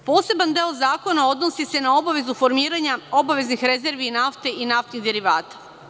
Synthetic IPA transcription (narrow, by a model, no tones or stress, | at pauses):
po̞ːse̞band̪e̞olzaːko̞nao̞d̪no̞sise̞nao̞baʋe̞zufo̞ɾmiːɾaɲao̞baʋeznixɾe̞ze̞ɾʋinaft̪e̞inaft̪niɣd̪eɾiʋaːt̪ḁ